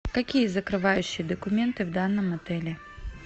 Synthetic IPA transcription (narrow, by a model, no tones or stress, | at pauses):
kɐkʲijəzəkɾɨvajʉɕːɪjəd̪əkʊmʲent̪ɨvd̪anːəmɐt̪ɛlʲɪ